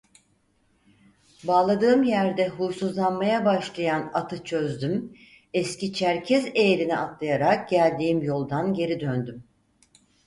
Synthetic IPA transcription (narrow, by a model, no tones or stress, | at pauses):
baːlˠad̪ɯːɯmjæɾd̪ɛɦuːsuzlˠanmajabaʃlˠajanat̪ʰɯt͡ʃʰø̞zd̪ym | ɛscit͡ʃʰæɾcʰɛzejeɾiniat̪lˠajaɾak̚ɟælʲd̪iːimjo̞lˠd̪anɟe̞ɾid̪ønd̪ym